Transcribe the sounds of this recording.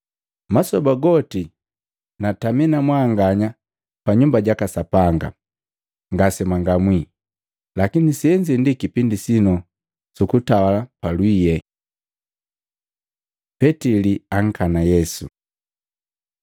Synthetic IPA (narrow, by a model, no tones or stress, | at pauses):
masɔbaɡɔti | nataminamwaŋɡaɲa | paɲumbaɟakasapaŋɡa̰ | ŋɡasɛmaŋɡamwi | lakinisiɛɲd͡ʒindikipindisinɔ | sukutawalapalwijɛ | pɛtiliaŋ̩kanajɛsu